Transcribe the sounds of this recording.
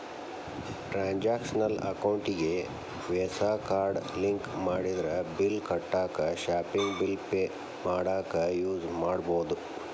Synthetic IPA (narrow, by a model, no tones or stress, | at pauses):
ʈɾaːɲd͡ʒaːkʂɐnɐlɐ̰kɐwɳʈiɡe | ʋɛːsaːkaːɾɖliŋkmaːɽid̪ɐɾɐbilkɐʈːaːkɐʃaːpiŋɡbilpe | maːɽaːkɐjuːd͡ʒmaːɽboːd̪u